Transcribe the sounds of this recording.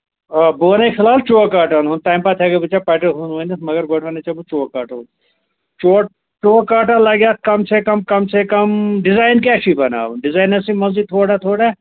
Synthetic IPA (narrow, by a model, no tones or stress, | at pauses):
boːnekʰɪlaːlt͡ʃoːkaːʈanɦunt̪aːjmpaːt̪ʰaːɡebut͡ʃapaːʈɐɦunʋonit̪mɐɡɐɾɡoːʈʰʋɐnet͡ʃabut͡ʃoːkaːʈau | t͡ʃoː | t͡ʃoːkaːʈãlɐɡjaːt̪̚ʰkɐmsekɐmkɐmsekɐmɖɪzaːjnkɛːʃibɐna̰ːuɖɪzaːnɐsimɐzd͡ʒid̪̚t̪ʰoːɽat̪ʰoːɽa